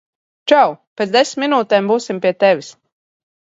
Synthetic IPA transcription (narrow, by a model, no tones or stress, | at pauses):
t͡ʃawpet̪zd̪esmʲːinuːt̪ɛːmbuːsimpʲiɛt̪ɛvʲis